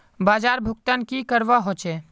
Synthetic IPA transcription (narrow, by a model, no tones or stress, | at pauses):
baːd͡ʒaːɾbʱʊk̚t̪ənkikəɾʋaɦot͡ʃeː